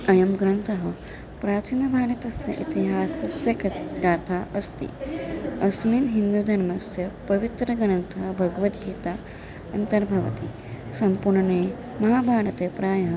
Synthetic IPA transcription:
ɐjɐmɡɾɐnt̪ʰɐɦɐ | pɾaːt̪ʰinɐbʱaːɽɐt̪ɐsjɐ̰ʔit̪iɦaːsɐsjɐkɐɡaːt̪ʰaːʔɐst̪ḭ | ɐsmiːnɦind̪ud̪ʱɐɾmɐsjɐpɐʋit̪ɾɐɡɐnɐnt̪ʰɐɦɐbʱɐɡɐʋɐt̪ɡiːt̪aː | ɐnt̪ɐɾbʱɐʋɐ̰t̪i | sɐmpuɾɳɐneː | mɐɦaːbʱaːɽɐt̪eːpɾaːjɐɦ

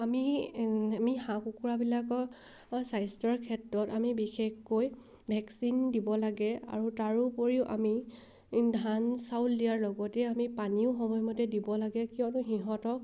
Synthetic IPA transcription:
ami | amihãkukuɹabilakɔ | sajstɔɹkʰɛtɹɔtamibixexːoj | bʱɛksindibɔlaɡɛa̰ɹutaɹupoɹiʊʔa̰mi | dʱansawtdijaɹlɔɡɔtɛamipaniʊxɔmɔjmɔtɛdibɔlaɡɛkijɔ̃nʊxiɦɔtɔk̚

